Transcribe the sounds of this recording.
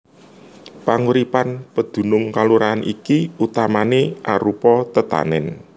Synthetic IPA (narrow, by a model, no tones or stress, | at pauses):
paŋuɾipanpəd̪̥ṳnʊŋkaluɾaːnʔikiut̪amaneʔa̰ɾupɔt̪ət̪a̰nɛn